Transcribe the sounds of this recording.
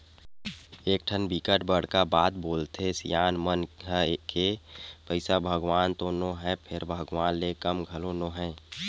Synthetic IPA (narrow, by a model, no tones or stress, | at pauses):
eːk̚ʈʰənbikəʈbəɽ̤kabaːt̪̚boːlt̪esijaːnmənɦkepəɪsabʱəɡʋaːnt̪onoɦɛ̃pʰɪɾbʱəɡʋaːnlekəmɡʱəlonoɦɛ̃